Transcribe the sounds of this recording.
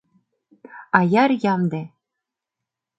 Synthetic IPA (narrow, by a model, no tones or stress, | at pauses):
ɑjɑrjɑmd̪e